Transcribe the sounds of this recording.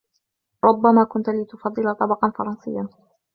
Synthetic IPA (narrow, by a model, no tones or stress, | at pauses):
ɾˤʊbːamaːkʊnt̪lɪt̪ʊfɑd̪ˤːɨlat̪ˤɑbɑqɑnfɑɾˤɑnsɨjːan